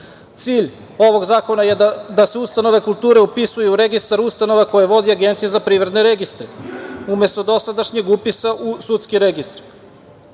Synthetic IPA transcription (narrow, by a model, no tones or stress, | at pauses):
t̪siːʎ | o̞ʋo̞ɡzaːko̞najed̪aseust̪ano̞ʋe̞kulˠt̪uːɾeupisujuɾeɡist̪aɾust̪ano̞ʋako̞jeʋo̞d̪iaɡent̪sijezapɾiːʋɾed̪ne̞ɾeɡist̪ɾeume̞st̪o̞d̪o̞sad̪aʃɲe̞ɡupisaʔusut̪skiɾeɡist̪ɾ